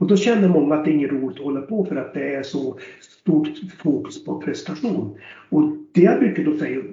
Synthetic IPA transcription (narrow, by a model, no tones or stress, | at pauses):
ɔd̪ɔɕɛnːəɾmɔŋːaːt̪̚d̪ɛɾɪŋːənɾuːlɪɡ̚t̪ɔhɔlːəɾpʰɔfœɾat̪̚d̪ɛæɾʂɔst̪uːʈfuːkɵ̥spʰɔpʰɾɛsnt̪aɧuːnɔd̪̥ɛjabɾʏkːəd̪ɔsɛjːa